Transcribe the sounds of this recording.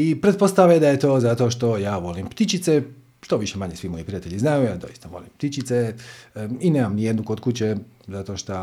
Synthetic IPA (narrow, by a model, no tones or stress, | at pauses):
ipɾet̪̚post̪aʋajed̪ajet̪o̞ːzat̪o̞ʃt̪o̞jaːʋo̞limpt̪it͡ɕit̪se | ʃt̪o̞ʋiʃemaɲesʋimo̞jipɾijat̪eʎiznajujaːd̪o̞̰jist̪aʋo̞lḭmp̚t̪it͡ʃit̪se | ineːmamnijed̪nukod̪kut͡ɕezat̪oʃt̪a